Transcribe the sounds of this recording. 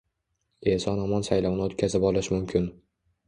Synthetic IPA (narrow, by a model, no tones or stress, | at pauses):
esɒnɒmɒnsajlɒwnɪot̪kʲʰazɪpɒlˠɪʃmʊmkʲʰɪn